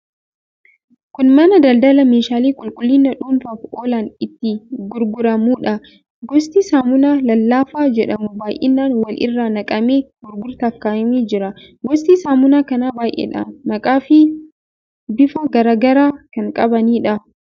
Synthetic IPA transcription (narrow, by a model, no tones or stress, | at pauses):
kʊnmɐnɐd̪ɐld̪ɐlɐmeːʃaːliːkʼʊlkʼʊlːɪnːɐᶑuːnfafoːlaːnɪt̪ːɪɡʊɾɡʊɾɐmuːᶑɐ | ɡɔst̪iːsaːmʊnaːlɐlːaːfaːd͡ʒɛᶑɐmʊbaːjʔɪ̰nːaːnwɐlʔɪ̰rːaːnɐkʼɐmeːɡʊɾɡʊɾt̪ɐfkaːʔɐmiːd͡ʒɪɾɐ | ɡɔst̪iːsaːmʊnaːkɐnaːbaːjʔḛᶑɐ̰mɐkʼaːfɪ | bɪfɐɡɐɾaːɡɐɾaːkɐŋkʼɐbɐniːᶑɐ